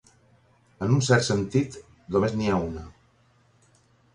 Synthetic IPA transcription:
ənunsɛɾt̪sənt̪it̪ | d̪omezniaunə

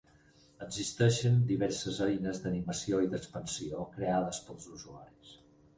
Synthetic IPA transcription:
əɡzist̪ɛʃənd̪iβɛɾsəzəinəzd̪əniməsioiðəkspənsiokɾeaðəspəlˠzuzua̰ɾis

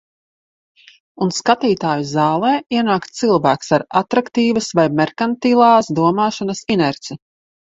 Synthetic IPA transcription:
unskat̪iːt̪aːjuzaːlˠɛːiɛnaːkt̪t̪silˠvæːksaɾat̪ɾakt̪iːvɐsvajmɛɾkant̪iːlˠɑːsd̪uɔmaːʃɔnɐsinɛɾt̪si

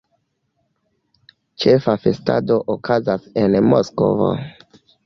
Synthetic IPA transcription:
t͡ʃe̞fafe̞sta̰do̞ʔokʰazasenmosko̰vo̰

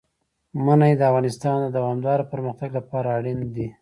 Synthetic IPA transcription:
manajd̪əafɣɑnɪst̪ɑnd̪əd̪awɑmd̪ɑɾapəɾməxt̪aɡlapɑɾaːɽind̪i

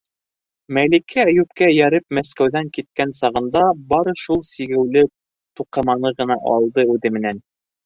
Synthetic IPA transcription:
mælikʰææjʉp̚kæjæɾɘp̚mæskæwðæŋkit̪̚kænsɑʁɤ̆nd̪ɑbɑɾɤ̆ʃulˠsiɡɘ̆wlɘ | t̪uqɤ̆mɑnɤʁɤ̆nɑʔɑ̰lˠd̪ɤʉðɘmɘ̆næn

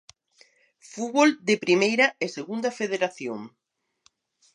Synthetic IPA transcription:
fuβold̪epɾimejɾɐeseɣund̪ɐfeðeɾaθjo̰ŋ

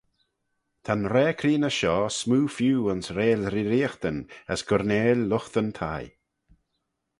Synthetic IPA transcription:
t̪ʰanɾɛːkʰɾiːnəʃɔːsmuːfjuːənsɾeːlɾiɾiːxt̪ənəsɡ̥ɔɾneːllʊxt̪ənt̪ʰa̰j

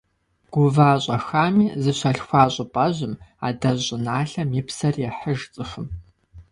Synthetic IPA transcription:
ɡ̥ʷʊvaːɕʼɐxaːmiːzɨɕʷɐɬxʷaːɕʼɪpʼɐʑɪma̰ːdɐʑʼɪnaːɬɐmiːpsɐrjɛħəʒt͡sʼɨxɨm

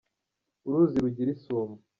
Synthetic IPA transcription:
uɾuːziɾuɟiɾisoːmu

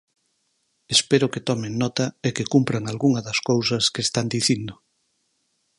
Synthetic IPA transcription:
espeɾʊket̪ɔmeŋnɔt̪ɐekekumpɾaŋalɣuŋɐðɐskowsɐskest̪and̪iθind̪ʊ

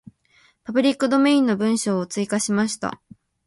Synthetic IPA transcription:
pabɯ̟ɾʲikːɯ̟d̪o̞me̞ĩnːo̞bɯ̟̃ɰ̃ɕo̞ːt͡sɨikaɕimaɕi̥t̪a̰

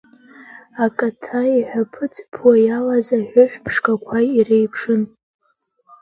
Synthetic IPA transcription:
akʼatʰaiħʷᶣapʰɨt͡sʼpʰwajalazaħʷʊħʷpʰʂkʼakʷʰairejpʰʂɨn

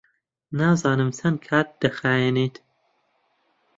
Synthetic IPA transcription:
naːzɑːnɨmsɐnkʰaːt̪̚d̪̥ɐxaːjeneːt̪

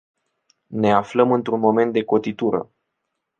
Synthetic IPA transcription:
ne̞afləmɨnt̪ɾunmo̞me̞nt̪̚d̪e̞ko̞t̪it̪uɾə̰

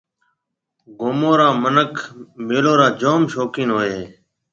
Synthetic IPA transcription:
ɡoːmoːɾãːmənəkʰmeːloːɾaːd͡ʒoːmʃoːkĩːnɦoːeː

